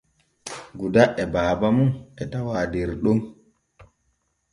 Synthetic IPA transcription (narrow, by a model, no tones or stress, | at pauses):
ɡudaʔɛbaːbamunʔɛtawaːdeɾɗum